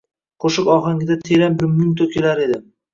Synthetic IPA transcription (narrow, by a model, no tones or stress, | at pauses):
qʰoʃɪkɒχaŋɪd̪at̪ʰeɾambɪmʊmt̪ʰokʲʰelaɾe̞d̪ɪ